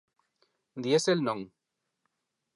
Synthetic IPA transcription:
d̪jeselnɔŋ

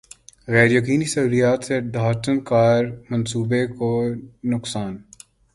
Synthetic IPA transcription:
ɣɛːɾjɐkiːnisɐuːlijaːt̪seɖʱaːʈənkaːɾmɐnsuːbekonʊksaːn

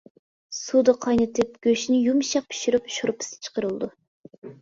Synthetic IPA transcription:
sud̪ɨqʰɑjnɨt̪ʰɨp̚ɡ̥ʲøʃnɪjumʃɑq̚pʰy̥ʃyɾɨpʃuɾɨpʰɪ̥sɨ̥t͡ʃʰə̥qəɾɨlˠd̪u

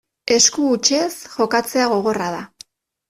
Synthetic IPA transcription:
e̞skuːt͡ʃe̞sxo̞kat͡se̞aɣ̞o̞ɣ̞o̞rað̞a

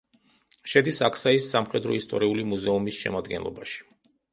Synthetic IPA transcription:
ʃɛd̪isakʰsaisːamχɛd̪ɾɔist̪ʼɔɾiulimuzɛumisʃɛ̰mad̪ɡɛnlˠɔ̰baʃi̥

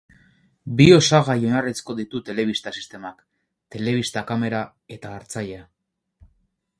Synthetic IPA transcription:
bio̞saɣajo̞narit͡sko̞ðit̪ut̪e̞le̞βist̪asi̥st̪e̞mak | t̪e̞le̞β̞ist̪akame̞ɾa | e̞t̪aːɾt͡saʎea

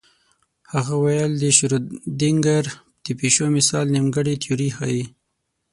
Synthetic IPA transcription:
haɣawajəld̪əʃɾud̪ɪŋɡaɾ | d̪̥əpeʃomɪsɑlnimɡəɽit̪ʰjuɾihɑji

